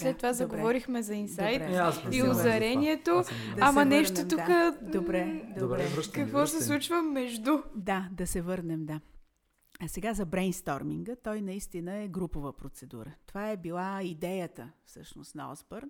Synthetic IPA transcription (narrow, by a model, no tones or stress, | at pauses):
slɛt̪t̪ːovazɐɡovɔɾixmɛzɐinsajt̪spiʊzɐɾɛniɛt̪od̪ɐmɐnɛʃt̪ot̪ukaəd̪obɾɛd̪ɾɛkɐkvɔsɛlˠut͡ʃvəmːɛʒd̪ud̪ad̪ɐsɛvɤɾnɛmd̪a | sɛɡazɐbɾɛnst̪ɔɾmiŋɡət̪ɔjnɐist̪inəɛɡɾupovəpɾot̪sɛd̪ṵɾət̪ovaɛbilˠaid̪ɛjət̪əfsɤʃnost̪nɐɔ̰zboɾn